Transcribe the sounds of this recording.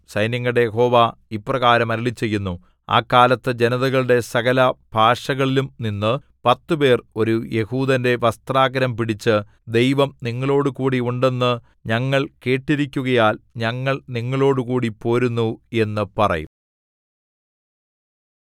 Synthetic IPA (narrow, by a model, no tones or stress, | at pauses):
sɐjnjɐŋːɐɽe̞jeɦo̞ːʋaːipːrɐɣaːɾɐmɐɾiɭit͡ɕːe̞jːunːu | a̰ːkːaːlɐt̪ːɨd͡ʑenɐðɐɣɐɭɨɽe̞sɐɣɐlɐbʱaːʂɐɣɐɭilumninːɨ | pɐt̪ːɨpe̞ːro̞ɾuje̞huːd̪ɐnde̞ʋɐst̪raːɡɐɾɐmpiɽit͡ɕːɨ | d̪e̞jʋɐmniŋːɐɭo̞ːɽukuːɽiuɳɖe̞nːɨ | ɲɐŋːɐɭke̞ːʈːiɾikʲːuɣɐjaːlɲɐŋːɐɭniŋːɐɭo̞ːɽukuːɽipo̞ːɾunːue̞nːɨpɐrɐ̰jṵm